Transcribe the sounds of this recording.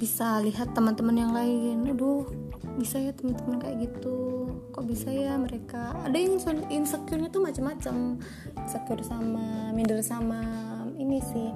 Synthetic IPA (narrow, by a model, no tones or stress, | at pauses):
bisaliɦat̪ːəmənt̪əmənjaŋlaɪnadɔhbisajat̪əmənt̪əmənkaja̰ʔɡit̪ukoʔbisajaməɾeka̰ːdajaŋsuninsəkurɲat̪umat͡ʃamːat͡ʃam | səkʊrsamamindərsamainisɪh